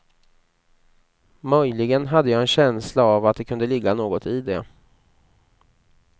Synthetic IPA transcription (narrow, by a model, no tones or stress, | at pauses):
mœjlɪɡənɦad̪ːəjɑːɛnɕɛnslaavat̪̚d̪ɛkʰɵnd̪əlɪɡːanoːɡɔt̪ʰɪd̪ɛ